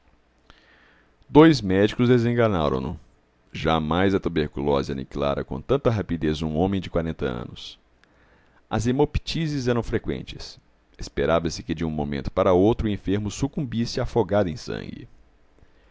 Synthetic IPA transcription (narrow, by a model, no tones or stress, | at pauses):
d̪ojzmɛd͡ʒikʊzd̪ezẽŋɡɐna̰ɾɐ̰̃w̃nʊ | ʒamajzɐt̪ubeɾkulɔzɪɐ̰nḭkila̰ɾɐ̰kõ̰t̪ɐ̃nt̪ɐɦapid̪ezũõmẽj̃d͡ʒɪkwaɾẽnt̪ɐɐ̰̃nʊs | ɐzemopi̥t͡ʃizɪzɛɾɐ̃w̃fɾekwḛ̃nt͡ʃɪs | espeɾavɐsɪkɪd͡ʒɪũmomḛ̃nt̪ʊ̥paɾɐowt̪ɾʊẽfeɾmʊsukũmbisɪafoɡad̪ʊẽj̃sɐ̰̃ŋɡɪ̰